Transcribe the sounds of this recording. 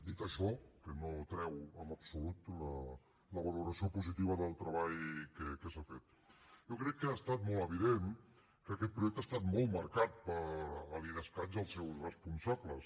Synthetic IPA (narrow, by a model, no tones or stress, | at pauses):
d̪it̪əʃɔkənot̪ɾɛwəməpsulut̪lə | ləβəluɾəsiopuzit̪iβəðəlˠt̪ɾəβaʎkəkəsafet̪ | jokɾɛkːəast̪at̪mɔlˠəβ̞iðen | kəːkɛt̪̚pɾuʒɛk̚t̪ast̪at̪mɔlˠt̪məɾkat̪̚pəɾəliðəskad͡ʒəlˠsɛwsrəspunsapləs